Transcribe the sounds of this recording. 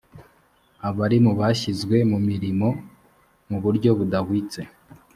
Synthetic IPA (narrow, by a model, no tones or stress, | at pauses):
aβaɾimuβaɕizɡwe̞mumiɾimo̞ | muβuɾɟo̞βudahwiːt͡se̞